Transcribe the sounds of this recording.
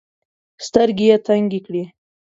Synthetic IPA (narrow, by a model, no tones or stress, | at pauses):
st̪əɾɡijet̪aŋɡikɽi